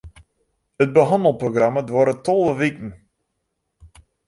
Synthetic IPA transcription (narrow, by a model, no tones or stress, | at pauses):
ət̚bəɦɑndəlˠproɡramədʋɔɾətɔlˠəʋikən̩